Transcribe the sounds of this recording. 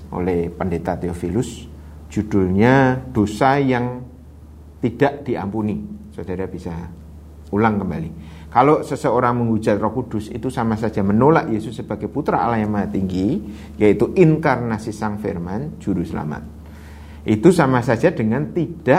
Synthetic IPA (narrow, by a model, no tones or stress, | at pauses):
ʔo̰lɛhpəndet̪at̪eofilʊs | d͡ʒ̥ud̥ʊɲad̥osajaŋ | t̪id̥aʔd̥iʔa̰mpunisod̥aɾab̥isa | ulaŋkəmbali | kalosəsəoɾaŋməŋu̥d͡ʒa̤t̪̚rɔkud̥ʊsḭt̪usamasḁd͡ʒ̥amənolaʔjesʊsːəb̥aɡ̥ajput̪ɾaa̰lahjaŋmaat̪iŋɡi | jait̪uʔinkarnasisaŋfḛrmand͡ʒ̥uɾusəla̰ma̰t̪̚ | ʔit̪usamasḁd͡ʒ̥adəŋant̪id̥a